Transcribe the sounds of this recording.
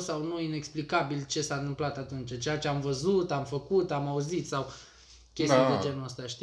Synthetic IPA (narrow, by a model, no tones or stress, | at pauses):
sawnuine̞ksplikabilt͡ʃe̞sant̪ɨmplat̪at̪unt͡ʃat͡ʃe̞jat͡ʃe̞amvəzut̪amfəkut̪amauzit̪saw | kʲe̞sijad̪ed͡ʒe̞nuəst̪aʃt̪